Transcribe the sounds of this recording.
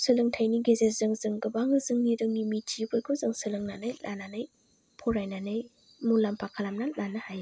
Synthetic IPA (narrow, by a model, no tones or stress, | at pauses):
sɯlɯŋtʰajniɡezezɯŋzɯŋɡɯbaŋɯzɯŋniɾɯmimitʰibɯjkʰɔzɯŋsɯlɯŋnanɯjlʔa̰nanɯj | pʰɔɾajnanɯj | munlampʰakʰalamnalanɯhaj